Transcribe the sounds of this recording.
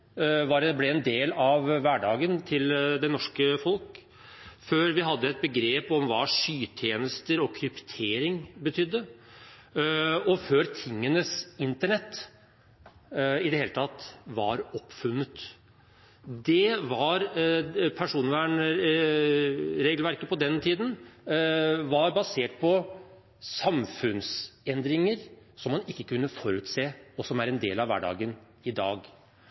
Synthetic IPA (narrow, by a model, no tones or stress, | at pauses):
ʋɑɾɛblɛɛnd̪eːlɑʋʋæɖɑːɡənt̪ʰɪld̪ɛnɔʂkəfɔlk | føːɾʋɪɦɑd̪ːəɛt̪̚bəɡɾeːpɔmʋɑːʂyːt̪ʰjeːnəst̪əɾɔkʰɾʏpt̪ʰeːɾɪŋbət̪ʰʏd̪ːə | ɔføːɾt̪ʰɪŋːənəsɪnt̪əɳɛt̪ː | ɪd̪ɛheːlət̪ʰɑt̪ʋɑ̰ɾɔpːfʉnːət̪ | d̪ɛʋɑɾpʰæʂuːnʋæːɳ | ɾeːɡlʋæɾkəpɔd̪ɛnt̪ʰiːd̪n | ʋɑɾbɑseːʈ̚pʰɔ | sɑmfʉnsɛnd̪ɾɪŋəɾsɔmːɑnɪkːəkʰʉnːəfɔɾʉːt̪seːɔsɔmæɾɛnd̪eːlɑʋʋæ̰ɖɑ̰ːɡən | ɪd̪ɑːɡ